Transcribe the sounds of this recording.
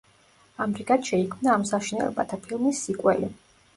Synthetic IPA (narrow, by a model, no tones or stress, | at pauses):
amɾikʼat̪ʃɛikʰmnaːmsaʃinɛ̰lɔ̰ba̰t̪ʰapʰilˠmisːikʼwɛli